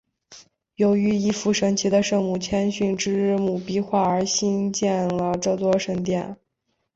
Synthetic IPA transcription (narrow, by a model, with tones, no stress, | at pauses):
jo˧˥ʊy˧˥i˧˥˩fu˧˩ʂɤ˧˥ŋt͡ɕʰi˧˥d̪ə˧ʂɤ˥˧ŋmu˥˩t͡ɕʰjɛ˥nɕy˥˩nʈ͡ʂɻ̩˥˧mu˨˩pi˥xwa˥˩ə˞˧˥ɕi˥nt͡ɕjɛ˥˩nlə˩ʈ͡ʂɤ˥˧t̪wɔ˥ʂɤ˧˥ŋt̪jɛ˥˩n